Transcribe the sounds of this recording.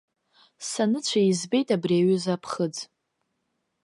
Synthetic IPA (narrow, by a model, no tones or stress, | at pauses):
sanɨt͡ɕʷʰaizbejtʼabriaɥʏzapʰχəd͡z